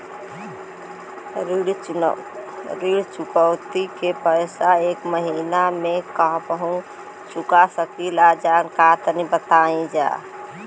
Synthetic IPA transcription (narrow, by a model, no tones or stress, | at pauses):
ɾiɽ | ɾiɽt͡ʃukəʊt̪ikepəjsaekməɦinamekaɦbəɦũ | t͡ʃukasəkilad͡ʒankat̪ənibət̪aĩd͡ʒa̰